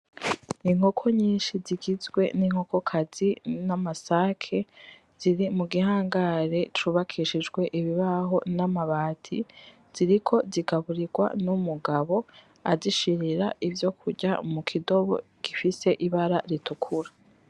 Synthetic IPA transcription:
iŋho̞kʰo̞ɲiːnʃiziɡizɡwe̞̰niŋ̥ho̞ko̞kʰazinamasakʰe̞ | z̥iɾimuɡihaːŋɡaɾe̞t͡ʃuβakʰiʃid͡ʒɡwe̞ʔiβiβaɦo̞namaβaːtʰḭ | z̥iɾikʰo̞ziɡaβuɾiɡwa̰numuɡaβo̞ | aziʃiɾiɾaʔivjo̞kʰuɾɟa̰mukʰido̞βo̞̰ | ɡ̥ifise̞ʔiβaɾaɾitukʰuɾa

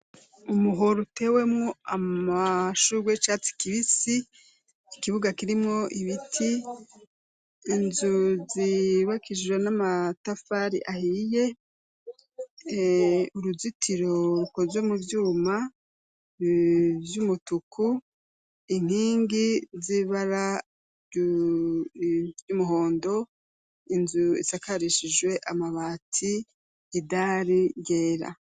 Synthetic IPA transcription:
umuɦoɾute̞we̞mŋoamaʃuɾwet͡ʃat͡si̥kiβisi | ikiβuɡakiɾimŋoʔiβitʰi | nzuziβakʰiʒwenamatafaɾḭʔahije̞ | uɾuzitʰiɾo̞ɾuko̞zwe̞muvjuːma | vjumutukʰu | iŋ̥hiːŋɡiziβaɾa | jumuɦo̞ːndo̞ | inzuḭsakaɾiʃid͡ʒwe̞ʔamaβaːtʰiː | daɾiɡeːɾa̰

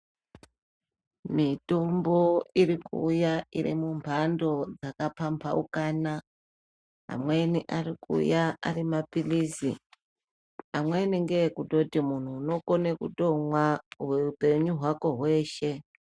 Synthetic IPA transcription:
mitombo̞irikṵːjairḭmumpʰando̞d͡zakapʰampʰaṵkaːna | ɦa̰mwe̞niʔaɾikṵjaarimapilisḭ | amwe̞niŋɡekuɗo̞timun̤uːno̞konekṵdoŋwauweupe̞ɲuɦwako̞ɦwe̞ːʃe̞

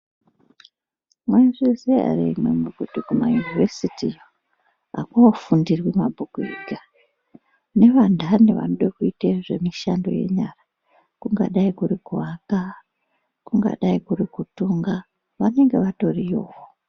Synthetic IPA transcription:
mwaiʐizia̰rḭmwḛmuɡʱudukuma̰junivesiti | a̰kuofundirwimabʱukuḭɡʱa | ne̞ʋandʱaneʋa̰noɗekuiteʐe̞miʃando̞̰je̞̰ɲara | kuŋɡa̰ɗaikuɾikuaka | kuŋɡa̰ɗaikurikutuːŋɡa | ʋane̞ŋɡe̞ʋato̞rijo̞ːwo

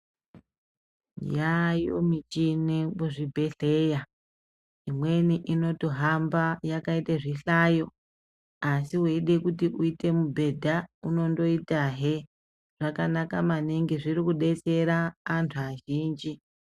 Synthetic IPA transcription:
jajo̰mit͡ʃinimuʐibʱe̞ɬeja | imwe̞niʔino̞toɦambajakaiteʐiɬaːjo̞ | asiɦweɗekutiʔuite̞mubʱe̞dʱauno̞ndo̞itaɦe | ʐ̥akanakamaneŋɡiʐiɾikuɗe̞t͡se̞ɾaːntʰuaʒiːnd͡ʒi

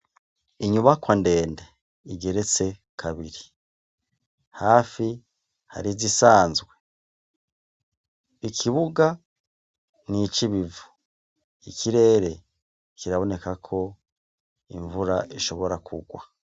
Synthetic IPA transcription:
iɲuβakwande̞ːnde | iɡe̞ɾe̞t͡se̞kʰaβiɾi | haːfi | ha̰ɾizisaːnzɡwe̞ | ikʰiβuɡa | nit͡ʃiβivu̥ | ikʰiɾe̞ːɾe̞ | kiɾaβo̞ne̞kakʰo̞ | ḭɱvuɾaiʃo̞βo̞ɾakʰuɡwa̰

